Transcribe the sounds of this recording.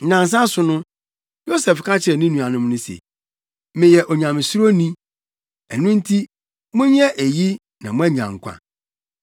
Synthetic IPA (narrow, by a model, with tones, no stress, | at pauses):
n̩˨nã˨n˨s̬ã˦sʊ˨nʊ̃˦ | jo˦sɛ˨fkʰa˦t͡ɕʰɪ˨ɾɛ˨nɪ̃˦nũ˨a˨nʊ̃˦m˦nʊ̃˦sḛ˨ | mɪ̃˨jɛ˨ʔɔ˨ɲã˨mɪ̃˨su˦ɾo˦nĩ˦ | æ˨nʊ̃˦n̩˦tʰi˦ | mʊ̃˦ɲ˦ɛ˦ʔæ˨ji˦ | nã˨mʊ̃˦æ˦ɲã̰˨ŋ˨kʷʰa̰˨